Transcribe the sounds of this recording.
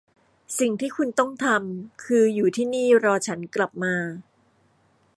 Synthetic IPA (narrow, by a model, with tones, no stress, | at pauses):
si˨˩ŋt̪ʰiː˥˩kʰu˧nt̪ɔ˥˩ŋt̪ʰa˧mkʰɯː˧juː˨˩t̪ʰiː˥˩niː˥˩ɾɔː˧t͡ɕʰa˦˥nkla˨˩p̚maː˧